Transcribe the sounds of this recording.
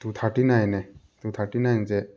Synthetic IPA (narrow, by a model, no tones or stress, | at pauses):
t̪ut̪ʰaʈinajne | t̪ut̪ʰaʈinajnt͡se